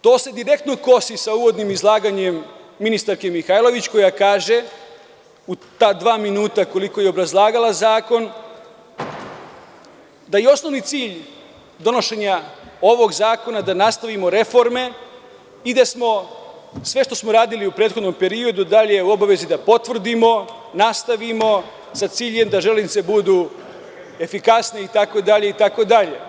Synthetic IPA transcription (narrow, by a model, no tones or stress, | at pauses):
t̪o̞ːse̞d̪iɾe̞k̚t̪noko̞sisauːʋo̞d̪nimizlˠaːɡaɲe̞mːinist̪aɾke̞mixajlˠo̞ʋit͡ɕko̞jakaːʒe̞ | ut̪aːd̪ʋaːminuːt̪ako̞liko̞jeobɾazlˠaːɡalˠazaːko̞n | d̪ajio̞sno̞ʋnit̪siːʎ | d̪o̞no̞ʃe̞ɲao̞ʋo̞ɡzaːko̞nad̪anast̪aʋimo̞ɾe̞fo̞ɾme̞ | id̪asmo̞ | sʋe̞ʃt̪o̞smoɾaːd̪iliupɾe̞ːt̪xo̞d̪no̞mpe̞ɾio̞d̪ud̪aʎeuo̞baʋe̞zid̪apo̞t̪ʋr̩d̪imo̞ | nast̪aʋimo̞ | sat̪siːʎe̞md̪aʒelinit̪se̞bud̪u | e̞fikasne̞it̪ako̞d̪aʎe̞it̪ako̞d̪aʎe̞